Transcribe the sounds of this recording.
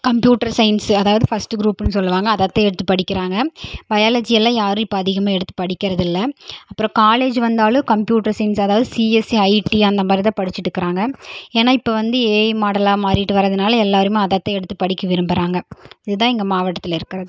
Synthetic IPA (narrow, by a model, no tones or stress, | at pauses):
kɐmpjuːʈɐɾsɐɪnsɐðaːʋɐðɯfɐsʈɯɡɾuːpːɪnːɯsɔlːɯʋaːŋɡɐːðɐt̪ːɐɛɽɯt̪ːɯpːɐɽɪkːɪɾaːŋɡɐbɐjaːlɐd͡ʒɪjɛlːãːjaːɾɯ̃ɪpːoɐðɪɣɐmaːɛɽɯt̪ːɯ̥pɐɽɪkːɪɾɐðɪlːɐɐpːɯɾɔ̃kaːleːd͡ʒʋɐnd̪aːlõkɐmpjuːʈːɐɾsɐɪnsɐðaːʋɐðɯsiːɛsiɐɪʈiɐnd̪ɐmaːɾɪt̪ãːpɐɽɪt͡ʃːɪʈːɯkːɪɾaːŋɡɐeːnaːɪpːoʋɐnd̪ɯeːjmaːɽɐlaːmaːɾɪʈːɯʋɐɾɐðɯnaːlɐɛlːaːɐɾɯmẽɐðɐt̪ːɐɛɽɯt̪ːɯpɐɽɪkʲːɯʋɪɾɯmbɪɾaːŋɡɐɪðɯt̪ãːɛŋɡɐmaːʋɐʈːɐt̪ːɪlɪɾɯkːɪɾɐðɯ